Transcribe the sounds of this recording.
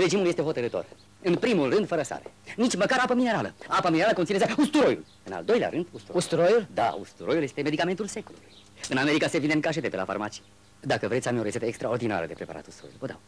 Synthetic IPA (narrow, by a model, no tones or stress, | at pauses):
re̞d͡ʒimuljest̪e̞ɦo̞t̪əɾɨt̪o̞̰r | ɨnpɾimulrɨnd̪fəɾəsa̰ɾenit͡ʃʲməkaɾapəmine̞ɾaləapamineɾaləkoninezeust̪uɾo̞jṵl | ɨna̰ld̪o̞jlea̰ɾɨnd̪ust̪uɾoust̪ɾojuld̪a̰ṵst̪uɾo̞julje̞st̪eme̞d̪ikament̪ulse̞kulṵluuj | ɨname̞ɾikasevineɨŋkaʃ̬et̪epela̰fa̰rmat͡ʃi̥ | d̪akəve̞t̪sʲamio̞ɾe̞se̞t̪əekst̪ɾao̞rd̪ina̰ɾə̰d̪e̞pɾe̞pa̰ɾa̰t̪ust̪ɾojulvəd̪a̰w